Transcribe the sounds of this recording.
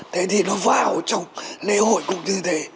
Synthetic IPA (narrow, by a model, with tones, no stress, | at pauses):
t̪ʰe˨˦t̪ʰi˨˩nɔ˨˦vaː˧˩o˨˩t͡ɕɔ˧wŋ͡mle˧˦ho̰˧˨jkʊ̰˧˥ŋ͡mɲɨ˧t̪ʰe˨˦